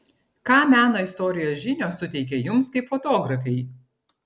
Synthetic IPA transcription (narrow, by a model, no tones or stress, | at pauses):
kɑːmʲæːnoːɪst̪ɔːɾʲɪjoːsʒʲɪnʲoːsʊt̪ʲɛɪkʲɛjʊmskɐɪpfot̪oːɡɾɐfʲɛɪ